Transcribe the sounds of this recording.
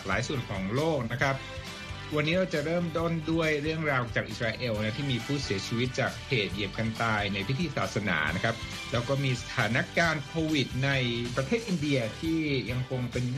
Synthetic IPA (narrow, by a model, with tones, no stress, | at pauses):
la̰ː˩˦jsu˨˩ənkʰɔː˩˦ŋloː˥˩k̚na˦˥kʰɾa˦˥p̚ | wa˧nːiː˦˥ɾaː˧wt͡ɕa˨˩ɾɤː˥˩mt̪o˥˩ndu˥˩əjɾɯ˥˩əŋɾaː˧wt͡ɕaː˨˩k̚ʔi˨˩ɾaː˧ʔeː˧wn˦˥t̪ʰiː˥˩miː˧pʰuː˥˩si˨˩˦ɐt͡ɕʰi˧wi˦˥t̪̚t͡ɕaː˨˩kʰːeː˨˩t̪̚je˨˩p̚ka˧nt̪aː˧jna˧jpʰi˦˥t̪ʰiː˧saː˨˩t̪̚sa˧na̰ː˩˦na˦˥kʰa˦˥p̚ | lɛː˦˥wkɔː˥˩miː˧sḁ˧˩t̪ʰaː˩˦na˦˥kaː˧nkʰoː˧wi˨˩t̪̚na˧jpɾa˧t̪ʰeː˥˩t̪ʔi˧ndi˧ɐt̪ʰiː˥˩ja˧ŋkʰo˧ŋpe˧n